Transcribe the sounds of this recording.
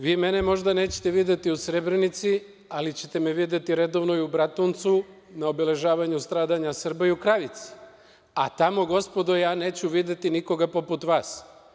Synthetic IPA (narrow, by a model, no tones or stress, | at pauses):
ʋiːme̞nemo̞ʒd̪ane̞ːt͡ɕe̥t̪e̞ʋid̪jet̪iusɾe̞bɾenit̪si | alit͡ɕe̞t̪e̞meʋid̪jet̪iɾe̞d̪o̞ʋno̞iubɾat̪ont̪su | naobele̞ʒaːʋaɲust̪ɾaːd̪aɲasr̩baiukɾaʋit̪si̥ | at̪amo̞ɡo̞spo̞d̪ojaːne̞ːt͡ɕuʋid̪et̪iniko̞ɡapo̞put̪ʋaːs